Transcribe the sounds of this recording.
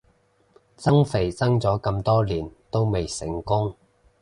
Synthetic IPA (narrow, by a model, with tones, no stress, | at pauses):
t͡sɐ˥ŋfe˨˩jt͡sɐ˥ŋt͡sɔː˨˥kɐ˧mt̪ɔː˥liː˨˩nt̪o˥wme˨jsɪ˨˩ŋkʊ˥ŋ